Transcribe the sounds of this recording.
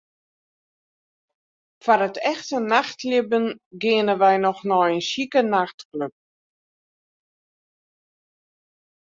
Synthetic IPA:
faɾətʰɛxtənaxtlɪbənɡɪənənʋɛjnɔxnɔjənsikənaxtkløp̚

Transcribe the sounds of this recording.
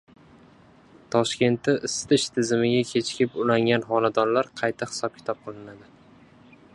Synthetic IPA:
t̪ʰɒʃkʲe̞nt̪ʰːɪʔɪst̪ɪʃt̪ʰɪzɪmɪɡʲakʲʰe̞t͡ʃʰkʲɪpʊlaŋɡʲanχɒnad̪ɒnlaɾqʰɑjt̪ʰahɪ̥sɒp̚kʲʰɪ̥t̪ʰɒp̚qʰɨlˠɪnad̪ɪ

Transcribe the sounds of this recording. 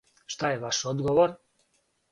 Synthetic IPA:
ʃt̪ajeʋaʃod̪ɡoʋoɾ

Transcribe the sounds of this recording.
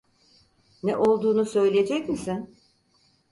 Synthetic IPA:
nɛʔo̞lˠd̪uːnusø̞jlʲijed͡ʒɛcmisɪn

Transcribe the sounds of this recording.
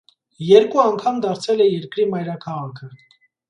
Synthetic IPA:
jɛɾkuɑŋkʰɑmd̪ɑɾt͡sʰɛlɛjɛɾkɾimɑjɾɑkʰɑʁɑkʰə

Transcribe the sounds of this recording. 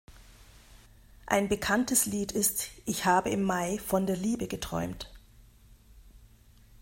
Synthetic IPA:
ʔa̰ɪnbəkʰantəsliːtɪstʔɪçhaːbəɪmːaɪfɔndeːɐliːbəɡətʁ̥ɔ̰ʏmt

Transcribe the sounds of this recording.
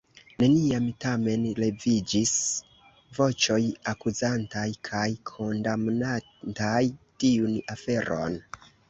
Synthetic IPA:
ne̞niamtame̞nle̞vid͡ʒis | vo̞t͡ʃo̞jakuzantajkʰajkʰo̞ndamna | ntajtiunafe̞ɾʔo̰n

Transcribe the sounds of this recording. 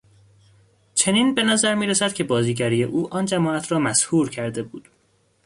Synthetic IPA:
t͡ʃʰe̞niːnbe̞næzæɾmiːɾesæd̪̚cʰe̞bɒːziːɟæɾiːjeʔuːʔɒːnd͡ʒæmɒːæt̪ʰɾɒːmæshuːɾcʰæɾd̪e̞buːd̪̥

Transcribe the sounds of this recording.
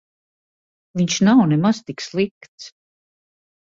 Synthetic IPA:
viɲʃnawnɛmaz̥t̪ikslˠikt̪s

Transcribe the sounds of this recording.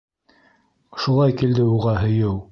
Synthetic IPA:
ʃulˠɑjkild̪ɘuʁɑɦɵ̆jɘw

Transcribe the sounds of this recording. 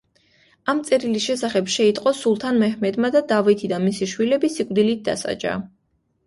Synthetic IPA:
amt̪sʼɛɾilisʃɛsaχɛbʃɛit̪ʼqʼɔsulˠt̪ʰanmɛhmɛd̪mad̪ad̪avit̪ʰid̪anmisiʃwilɛbisikʼvd̪ilit̪̚ʰd̪a̰sa̰d͡ʒa̰

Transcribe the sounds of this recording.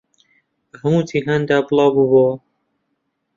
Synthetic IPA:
həmut̪ʰiːɦand̪aːbɨlˠɑːbubo

